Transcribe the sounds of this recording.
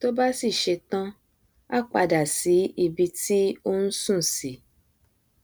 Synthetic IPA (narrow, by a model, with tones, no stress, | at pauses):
to˦ba˦si˦˨ʃe˧tã˦ | a˦k͡pa˧da˨si˨˦i˧bi˧ti˦o˦n̩˦sũ˦˨si˨˦